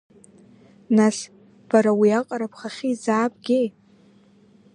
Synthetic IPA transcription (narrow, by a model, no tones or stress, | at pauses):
nas | b̥aɾawiaqʼaɾapʰχaχʲizaːbʼɡʲe̞jʼ